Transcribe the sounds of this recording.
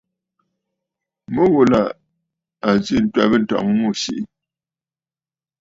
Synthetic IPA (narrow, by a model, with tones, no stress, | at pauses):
mə˦ɣo˨la˨ | a˨zi˦˨n̩˦twa˦˨bə˦˨n̩˨tɔ̰˨ŋ˦mo˦˨ɕi˨ʔ